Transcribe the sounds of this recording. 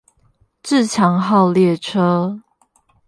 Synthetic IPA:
ʈ͡ʂ̩˥˨t͡ɕʰjɑ˨˦ŋɦɑ˥˨ʊljɛ˥˨ʈ͡ʂʰɤ˦˥

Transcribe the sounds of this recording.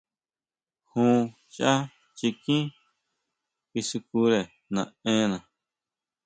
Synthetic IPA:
hũː˦ | t͡ʃa˦ | t͡ʃi˧kĩ˦ | ki˧su˧ku˧ɾe˨ | nã˨ẽ˦˧nã˨

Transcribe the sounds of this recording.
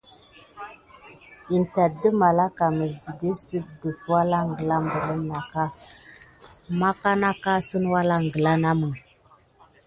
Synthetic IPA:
i˨nta˨də˦ma˨la˦ka˨mə˨sdi˨de˦sə˦də˨fwa˦la˦ŋ˨ɡə˨la˦mbə˨lə˦mna˨ka˦ | ma˦ka˦na˦ka˦sə˦nwa˦la˦ŋ˨ɡə˨la˦na˦mə˨ŋ

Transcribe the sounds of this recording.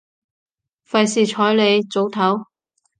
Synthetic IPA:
fɐ˨jsiː˨˧t͡ʃʰɔː˨˥jle˨˧jt͡so˨˥wt̪ʰɐ˨˥w

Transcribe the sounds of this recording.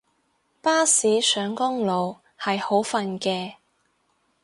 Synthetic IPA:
paː˥siː˨˥sœː˨˧ŋkʊ˥ŋlo˨w | hɐ˨jho˨˥wfɐ˨nkɛː˧

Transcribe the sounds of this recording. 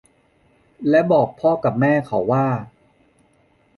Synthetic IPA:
lɛ˦˥bɔː˨˩k̚pʰɔː˥˩ka˨˩p̚mɛː˥˩kʰa˩˦wːaː˥˩

